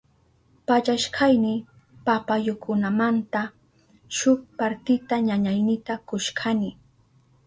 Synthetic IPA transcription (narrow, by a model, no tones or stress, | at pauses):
paʎaʃkʰajnɪ | papajʊkʰʊnamant̪a | ʃʊk̚paɾt̪ɪt̪aɲaɲajnɪt̪akʊʃkʰanɪ